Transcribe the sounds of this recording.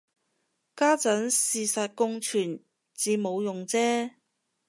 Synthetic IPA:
kaː˥t͡sɐ˨˥nsiː˨sɐ˨t̚kʊ˥ŋt͡ʃʰyː˨˩n | t͡siː˨˧mo˨˧wjʊ˨ŋt͡sɛː˥

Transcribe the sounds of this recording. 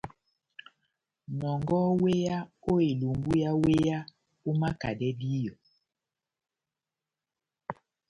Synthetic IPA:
nɔ˨ŋɡɔ˦we˦ja˦o˦e˨lu˨ŋɡu˦ja˦we˦ja˦ | u˦ma˦ka˨dɛ˦di˦jɔ˨

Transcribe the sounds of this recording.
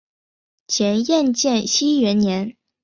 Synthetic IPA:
t͡ɕʰjɛ˧˥njɛ˥˧nt͡ɕjɛ˥˩nɕi˥ɥɛ˧˥nnjɛ˧˥n

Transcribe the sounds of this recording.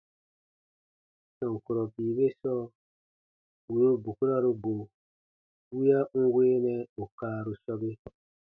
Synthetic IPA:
sɔ˨ŋ˨ku˨ɾɔ˨biː˨be˦sɔ˦˨ | wu˨ɾu˦bu˨ku˦ɾa˦ɾu˧bo˨ | wi˦a˦ŋ̩˦weː˦nɛ̃˧˨u˨kaː˦ɾu˨ʃɔ˦be˦

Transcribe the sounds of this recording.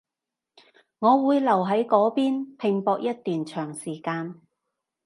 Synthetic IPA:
ŋɔː˨˧wuː˨˧jlɐ˨˩wɦɐ˨˥jkɔː˨˥piː˥npʰɪ˨ŋpɔː˧k̚jɐ˥t̚t̪yː˨nt͡ʃʰœː˨˩ŋsiː˨˩kaː˧n

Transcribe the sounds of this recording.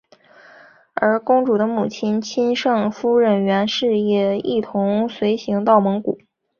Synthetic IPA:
ə˞˧˥kʊ˥ŋʈ͡ʂu˨˩d̪ə˦mu˨˩t͡ɕʰi˥nt͡ɕʰi˥nʂɤ˥˧ŋfu˥ɻə˨˩nɥɛ˧˥nʂɻ̩˥˩jɛ˨˩i˥˩t̪ʰʊ˧˥ŋswe˧˥ɪɕi˧˥ŋt̪ɑ˥˩ʊmɤ˧˥ŋkṵ˨˩˦

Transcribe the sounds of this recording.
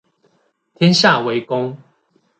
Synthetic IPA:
t̪ʰjɛ˦nɕja˥˨we˨˦ɪkʊ˦ŋ

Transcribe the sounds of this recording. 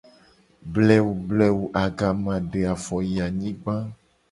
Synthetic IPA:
blɛ˦wu˨blɛ˨wu˨ʔa˨ɡa˨mã˨ɖe˨a˨fɔ˨ji˨a˨ɲĩ˦ɡ͡bã˦

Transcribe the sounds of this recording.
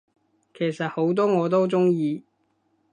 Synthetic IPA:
kʰe˨˩jsɐ˨t̚ho˨˥wt̪ɔː˥ŋɔː˨˧t̪̬o˥wt͡sʊ˥ŋjiː˧

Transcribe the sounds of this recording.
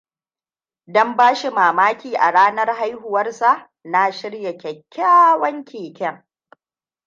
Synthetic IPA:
dɔ˦mbaː˦ʃi˨maː˨maː˦kʲiː˨ʔa˨ɽaː˦nɐ˦rɦa˦jɦʊ˨wɐ˦rsa˦˨ʔ | na˦ʃɪ˦ɽja˨kʲɛ˨kʲːaː˦wɐ˦ŋkʲʰeː˨kʲɛ˦ŋ

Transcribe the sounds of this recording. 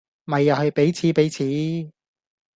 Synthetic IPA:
mɐ˨jːɐ˨whɐ˨˩jpe˨˥jt͡sʰiː˨˥pe˨˥jt͡sʰiː˨˥

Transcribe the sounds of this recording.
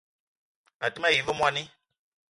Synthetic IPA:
a˨ti˦mã˦˨ji˨vo˦mũ˦a˨nĩ˦

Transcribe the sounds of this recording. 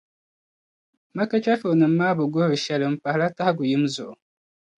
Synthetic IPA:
ma˦ka˦t͡ʃa˦fo˨nɨ˨m̩ː˦aː˦bɨ˨ɡo˦ɾɨ˨ʃɛ˨lɨ˨m̩˨pa˨hla˦ta˦hɡʊ˨jɪ˦m˦zʊ˨ʔʊ˨

